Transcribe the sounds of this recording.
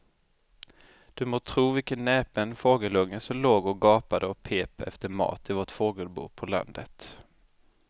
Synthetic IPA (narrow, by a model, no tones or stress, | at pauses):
d̪̥ɵmoːt̪ʰɾuːvɪlkənːɛːpənfoːɡəlɵŋːəsɔmloːɡɔɡɑːpad̪əɔpʰeːpɛ̰ft̪əɾmɑ̰ːt̪ɪvoːʈfoːɡəlbṵːpʰɔla̰nd̪ət̪